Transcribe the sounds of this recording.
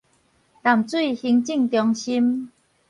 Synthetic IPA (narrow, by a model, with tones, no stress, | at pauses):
ta˨˩mt͡swi˥˨hi˧ŋt͡ɕi˥˧ŋt̪jɔ˧ŋɕi˦m